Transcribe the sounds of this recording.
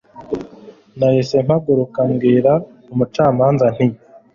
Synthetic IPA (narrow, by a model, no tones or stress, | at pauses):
najisem̥haɡuɾukaŋɡiːɾa | umut͡ʃaːmaːnzan̥ij